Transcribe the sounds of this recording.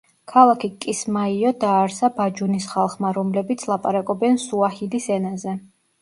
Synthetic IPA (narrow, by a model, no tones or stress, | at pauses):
kʰalˠakʰikʼismaiɔd̪aːɾsabad͡ʒunisχalˠχmaɾɔmlɛbit̪sʰlˠapʼaɾakʼɔbɛnsuahilisɛnazɛ